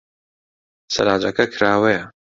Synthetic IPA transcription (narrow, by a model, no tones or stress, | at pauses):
sɐ̰ɾaːd͡ʒɐkɐkʰɾaːwejɐ